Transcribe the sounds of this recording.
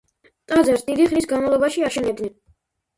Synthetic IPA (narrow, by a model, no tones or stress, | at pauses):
t̪ʼazɛɾsd̪id̪iχnisɡanmalˠɔbaʃiaʃɛnɛbd̪nɛn